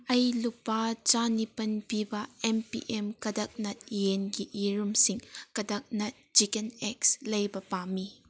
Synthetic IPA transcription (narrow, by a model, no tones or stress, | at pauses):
ɐjlupːat͡ʃanipɐnpibɐempḭʔemkɐdɐk̚nɐt̚jenɡiʔiɾumsiŋkɐdɐk̚nɐt̚t͡ʃikenek̚slɐjbɐpami